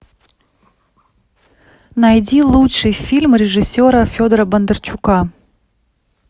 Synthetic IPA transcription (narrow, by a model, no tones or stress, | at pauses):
najdʲilˠutʂɨjfʲilʲmɾʲɪʐɨsʲːoɾəfʲod̪əɾəbənd̪ərt͡ɕuka